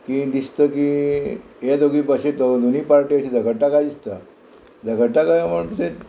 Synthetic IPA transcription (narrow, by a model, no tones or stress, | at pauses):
kid̪ist̪əːkiː | at̪oɡiːpəɕet̪od̪oniːpaɾʈiaɕiːd͡zəɡəɽʈakad̪ist̪a | d͡zəɡəɽʈakajaməɽt̪use